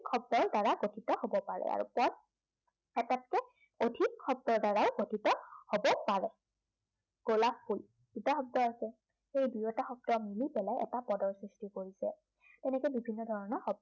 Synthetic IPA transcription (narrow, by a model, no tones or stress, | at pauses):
kʰːɔb̚dɔɹdaɹaɡotʰitɔhobɔpaɹɛ̰a̰ɹṵpɔ | ɛtat̚kɛ | odʱikʰːɔb̚dɔɹdaɹawɡotʰitɔhobɔpaɹɛ | ɡ̥olappːul | ɡitaxɔb̚dɔaɹkɛ | xejbijɔtaxɔb̚dɔmilibɛlajɛ̰tapɔdɔɹsɹistikoɹisɛ | tɛnɛkɔjbibʱinːɔdʱɔɹɔnɔɹxɔb̚